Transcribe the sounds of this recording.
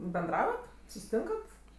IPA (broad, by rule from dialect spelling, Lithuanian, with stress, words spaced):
bʲɛnˈdrɑːʋɐt sʊsʲɪˈtʲɪŋkɐt